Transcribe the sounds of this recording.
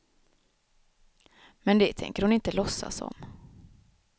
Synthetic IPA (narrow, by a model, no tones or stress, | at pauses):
mɛnd̪ɛt̪ʰɛ̰ŋkəɾhʊnɪnt̪əlɔsːa̰sɔ̰m